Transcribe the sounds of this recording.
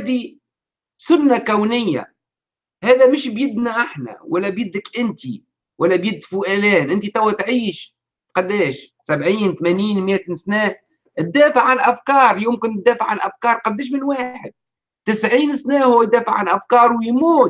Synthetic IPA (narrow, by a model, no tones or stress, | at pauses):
hd̪i | sʊnːakawnɪjːa̰ | hæːðæmɪʃbjɪb̪niʔaħnæ̰wælːæbjɪd̪ːɪkʔɪnt̪i | wʔælːæbjɪd̪ːfʊʔælæːnʔɪnt̪it̪æwːæt̪ʕiːʃ | qɑd̪ːɛːʃ | sabʕiːnt̪mæniːnmjæt̪snæː | ʔɪt̪ːæːfəʕːanʔafkɑːɾˤjʊmkɪnt̪d̪ːæːfəʕːanʔafkɑːɾˤqɑd̪ːɛːʃ̬mɪnwaːħɪd̪̚ | t̪ɪsʕiːnsnæːhʊwːæd̪æːfəʕanʔafkɑːɾˤwjmuːt̪̚